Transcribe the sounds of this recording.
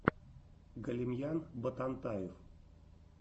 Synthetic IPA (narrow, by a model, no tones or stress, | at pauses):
ɡəlʲimʲjanbət̪ant̪ajɪf